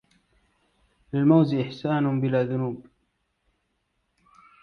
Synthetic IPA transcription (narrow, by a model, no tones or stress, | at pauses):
lɪlmawzʔɪħsaːnʊbɪlaːðʊnuːb